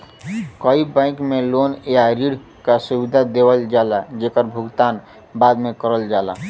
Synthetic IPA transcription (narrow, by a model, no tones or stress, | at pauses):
kəibãɪ̃kmelonjaɾiɽ | kasubid̪ʱad̪ebəld͡ʒalad͡ʒekəɾbʱuɡt̪an | bad̪mekəɾəld͡ʒala̰